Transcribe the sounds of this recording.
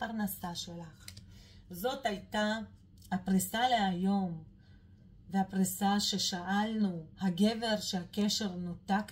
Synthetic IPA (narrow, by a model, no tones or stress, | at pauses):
paʁnasaʃelaχ | zo̞thajta | hapʁisaleajo̞m | vehapʁisaʃe̞ʃaʔalnuhaɡe̞ve̞ʁʃehake̞ʃe̞ʁnotak